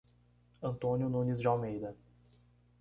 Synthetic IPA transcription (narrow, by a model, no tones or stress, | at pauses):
ɐ̃nt̪õnjʊnũnizd͡ʒɪawmejd̪ɐ